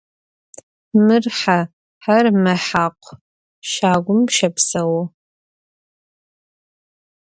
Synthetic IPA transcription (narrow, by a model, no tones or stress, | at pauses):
mɨrħa | ħarmɐħaqʷʰ | ʃaːɡʷʊmʃɐpsɐwɐ